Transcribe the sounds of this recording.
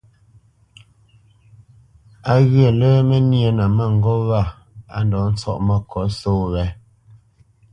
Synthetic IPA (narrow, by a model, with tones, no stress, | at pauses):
a˦ɣə˦˨ləː˦mɛ˦njə˨na˨ma˦˨ŋ˨ɡɔ˦ɣa˦˨ | a̰˨n˨dɔ˨˦n̩˦t͡sɔ̰˦ʔma˦kʰɔ˨˦soː˦wɛ˨˦